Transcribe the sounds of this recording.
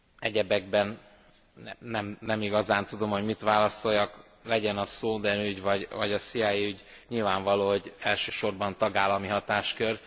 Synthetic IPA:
ɛɟɛbɛɡbɛn | nɛmnɛmiɡɒzaːnt̪ud̪o̞mho̞ɟmit̪ʋaːlɒso̞jɒk | lɛɟɛnɒsoːd̪ɛnyɟvɒɟvɒɟɒsijaːjiyɟ | ɲilvaːɱvɒloːɦo̞ɟɛlʃøːʃo̞rbɒnt̪ɒɡaːlːɒmiɦɒt̪aːʃkø̞r

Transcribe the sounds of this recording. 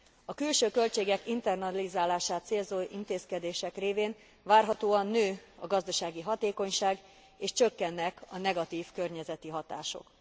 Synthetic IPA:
ɒkylʃøːkø̞lt͡ʃeːɡɛkint̪ɛrnɒlizaːlaːʃaːt̪seːlzoːʔint̪eːskɛd̪eːʃɛkreːveːn | vaːrɦɒt̪oːɒnːøːɒɡɒzd̪ɒʃaːɡiɦɒt̪eːko̞ɲʃaːɡ | eːʃt͡ʃøkːɛnːɛkʰɒnɛɡɒt̪iːfkørɲɛzɛt̪iɦɒt̪a̰ːʃo̞̰k

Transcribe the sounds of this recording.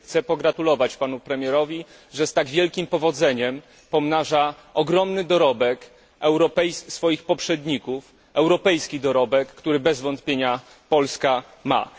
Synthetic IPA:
xt̪sɛpɔɡɾat̪ulɔvat͡ɕpanupɾɛmʲjɛɾɔvʲi | ʐɛst̪aɡvʲjɛlkʲimpɔvɔd̪zɛɲɛm | pɔmnaʐa | ɔɡɾɔmnɘd̪ɔɾɔbɛk | ɛwɾɔpɛjsfɔjixpɔpʂɛd̪ɲikuf | ɛwɾɔpɛjskʲid̪ɔɾɔbɛkːt̪uɾɘbɛzvɔnt̪pʲjeɲa | pɔlska | ma̰

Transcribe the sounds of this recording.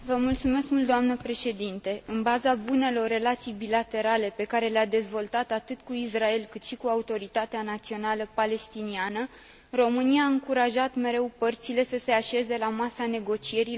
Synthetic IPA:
vəmult̪sume̞skmult̪d̪oamnəpɾe̞ʃe̞d̪int̪e̞ʔɨnbazabune̞lo̞rːe̞lat̪sijbilat̪e̞ɾale̞pe̞kaɾe̞lead̪e̞zvo̞lt̪at̪at̪ɨt̪kuisrae̞lkɨt̪ʃikuaut̪o̞ɾit̪at̪eanat̪sio̞naləpale̞st̪inianə | ro̞mɨniaːɨŋkuɾaʒat̪me̞ɾe̞wpərt̪sile̞səseaʃe̞ze̞lamasane̞ɡo̞t͡ʃie̞ɾi

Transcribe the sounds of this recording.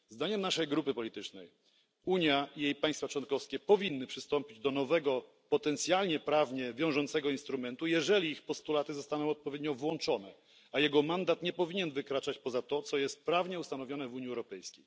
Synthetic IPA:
zd̪aɲɛmnaʂɛjɡɾupɘpɔlʲit̪ɘt͡ʂnɛj | uɲjaijejpaj̃st̪fat͡ʂwɔnkɔfskʲɛpɔvʲinːɘpʂɘst̪ɔmpʲid͡ʑd̪ɔnɔvɛɡɔ | pɔt̪ɛnt̪sʲjalɲɛpɾavɲɛvʲjɔ̃w̃ʐɔnt̪sɛɡɔinst̪ɾumɛnt̪ujɛʐɛlʲiixpɔst̪ulat̪ɘzɔst̪anɔ̃w̃ɔt̪̚pɔvʲjed̪̚ɲɔvwɔnt͡ʂɔnɛ | ajɛɡɔmand̪at̪ɲɛpɔvʲiɲɛnvɘkɾat͡ʂat͡ɕpɔzat̪ɔt̪sɔjɛst̪̚pɾavɲɛust̪anɔvʲjɔnɛvuɲiɛwɾɔpɛjskʲej

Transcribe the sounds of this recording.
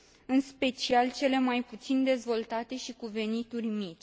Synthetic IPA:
ɨnspe̞t͡ʃialt͡ʃe̞le̞majput̪sind̪e̞zvo̞lt̪at̪e̞ʃikuve̞nit̪urʲmit͡ʃʲ

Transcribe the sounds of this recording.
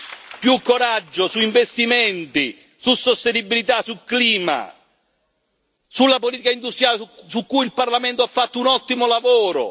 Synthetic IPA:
pjukːoɾad͡ʒːʊsuiɱvest̪imɛnt̪i | susːost̪enibːilit̪asukliːma̰ | sulːapoliːt̪ikaind̪ust̪ɾjaːlsukːujilparlamɛnt̪oafːat̪ːounɔt̪ːimolavoːɾʊ̰

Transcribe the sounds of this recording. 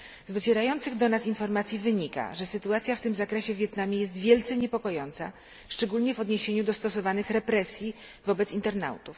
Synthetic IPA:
zd̪ɔt͡ɕɛɾajɔnt̪sɘɣd̪ɔnasinfɔɾmat̪sʲjivɘɲika̰ʐɛsɘt̪uat̪sʲjaft̪ɘmzakɾɛɕɛvʲjɛt̪namʲjɛjɛs̬t̪vʲjɛlt̪sɛɲɛpɔkɔjɔnt̪sa̰ | ʂt͡ʂɛɡulɲɛvɔd̪ɲeɕeɲud̪ɔst̪ɔsɔvanɘxɾɛpɾɛsʲji | vɔbɛt̪sint̪ɛɾna̰wt̪uf

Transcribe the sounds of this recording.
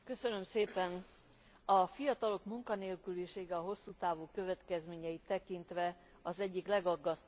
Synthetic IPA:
kø̞sønø̞mseːpɛn | ɒfijɒt̪ɒlo̞kmuŋkɒneːlkyliʃeːɡɛɒɦo̞sːuːt̪aːvuːkø̞vɛt̪kɛzmeːɲɛjit̪ːɛkint̪ʋɛ | ɒzɛɟːiklɛɡɒɡːɒst̪

